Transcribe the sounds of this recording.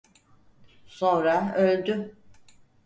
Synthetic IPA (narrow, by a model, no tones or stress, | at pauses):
sonɾaølʲd̪y